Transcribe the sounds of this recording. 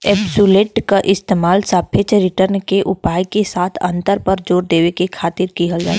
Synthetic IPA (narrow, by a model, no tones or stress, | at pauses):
eːbsuleːʈkaʔɪst̪eːmaːlsapʰet͡ʃɾɪʈəɾnkeʔʊpaːjkesaːt̪ʰɐ̰̃nt̪əɾpəɾd͡ʒoːɾd̪eːʋekekʰaːt̪ɪɾkiɦəld͡ʒa̰ː